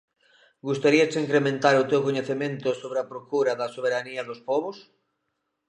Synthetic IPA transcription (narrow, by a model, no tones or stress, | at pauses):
ɡust̪aɾiasiŋkɾemẽnt̪aɾot̪ewkoɲeθemẽnt̪osoβɾeapɾokuɾaðasoβ̞eɾaniɐðospɔβos